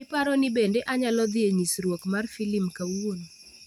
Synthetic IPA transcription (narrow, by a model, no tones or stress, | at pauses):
ɪpaɾɔnɪbendeʔaɲalɔd̪ɪeɲisɾwokmarfilɪmkawon